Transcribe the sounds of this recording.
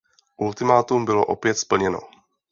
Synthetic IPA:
ʔult̪ɪmaːt̪umbɪlo̞ʔopjɛt̪spl̩ɲɛno̞̰

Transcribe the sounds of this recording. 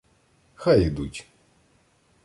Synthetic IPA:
xajid̪utʲ

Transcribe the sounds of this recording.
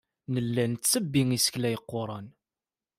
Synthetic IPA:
nəlːænt͡st͡sːəbːiŋisə̥klæjəqːoɾˤɑn

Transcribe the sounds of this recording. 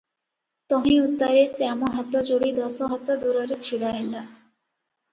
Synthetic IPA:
t̪ɔɦĩut̪ːaɾeseamɔɦat̪ɔd͡ʒoɽid̪ɔsɔɦɔt̪ːad̪uɾɔɾet͡ɕʰiɽaɦela

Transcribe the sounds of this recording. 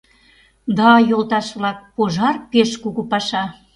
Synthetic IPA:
d̪ɑjolt̪ɑʃβlɑk̚poʒɑrpeʃkuɣupɑʃɑ

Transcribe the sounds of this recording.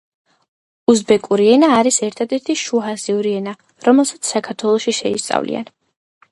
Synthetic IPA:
uzbɛkʼuɾiɛnaːɾisɛɾt̪ʰad̪ɛɾt̪ʰiʃuɦaziuɾiɛna | ɾɔmɛlˠsat̪sʰsakʰaɾt̪ʰwɛlˠɔʃiʃɛist̪sʼa̰vlḭa̰n

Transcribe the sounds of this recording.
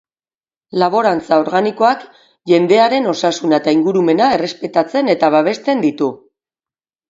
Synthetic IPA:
laβ̞o̞ɾant͡sao̞ɾɣaniko̞ak | ʝe̞nd̪e̞aɾe̞no̞sasunat̪aiŋɡuɾume̞nae̞re̞spe̞t̪at͡se̞ne̞t̪aβaβ̞e̞st̪e̞nd̪it̪u

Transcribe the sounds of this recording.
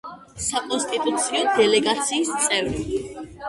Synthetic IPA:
sakʼɔnst̪ʼit̪ʼut̪sʰiɔd̪ɛlɛɡat̪sʰiːst̪sʼɛvɾi

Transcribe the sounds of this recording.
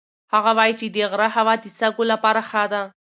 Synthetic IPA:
haɣawɑjit͡ʃed̪əɣɾaɦawɑd̪isaɡolapaɾaxad̪a

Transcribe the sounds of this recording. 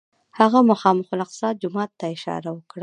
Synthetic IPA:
haɣamʊxɑmʊxʊlaqsɑd̪̚d͡ʒʊmɑt̪ːaɪʃɑ̰ɾawəkɽa

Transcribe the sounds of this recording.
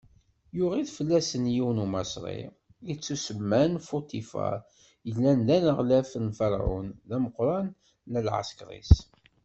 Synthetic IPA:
jʊʁiðfəlːæsənjiwnumæsɾˤḭ | it͡sːusəmːænfot̪ifa̰ | jəlːænðænəʁlæfnfɑɾ̰ˤʕṵnðæməqɾˤɑnː | əlʕa̰skɾˤḭs

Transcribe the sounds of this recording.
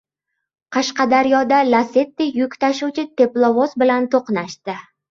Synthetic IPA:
qʰɑʃqɑd̪aɾjɒd̪alase̞t̪ːɪjʊkʲt̪aʃuwt͡ʃʰɪt̪ʰe̞plˠovosbɪlant̪ʰoqnaʃt̪ɪ

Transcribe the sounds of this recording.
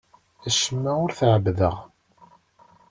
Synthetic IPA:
æʃəmːæʊɾθʕəbðə̰ʁ

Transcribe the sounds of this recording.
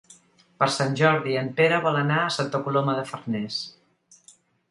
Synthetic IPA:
pəɾsanʲʒɔɾðiəmpeɾəβɔlənaəsant̪əkuloməðəfərnɛs

